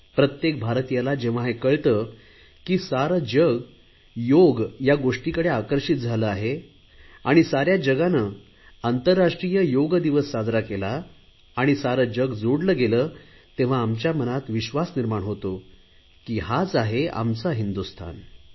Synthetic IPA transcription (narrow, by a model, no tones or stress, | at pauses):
pɾət̪jek̚bʱaɾt̪ijalad͡ʑeʋ̤aɦekəɭt̪ə | kiːsaɾəd͡ʑəɡ | joɡjaɡoʂʈikəɽeakəɾɕit̪̚d͡zʱaləaɦe | aɽ̃isaɾjad͡ʑəɡanə | ant̪əɾːaʂʈɾijəjoɡd̪iʋəsːad͡zɾakelaː | ɽ̃isaɾəd͡ʑəɡd͡zoɽləɡeləː | t̪ẽʋ̤aːmt͡ɕjamənat̪ʋiɕʋasniɾmaɳɦot̪o | kiːɦat͡saɦea̰mt͡saɦind̪ust̪ʰa̰n